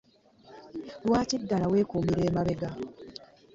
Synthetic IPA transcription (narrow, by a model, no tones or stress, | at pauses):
lwaːcidːalawe̞ːkuːmiɾe̞ːmaβe̞ɡa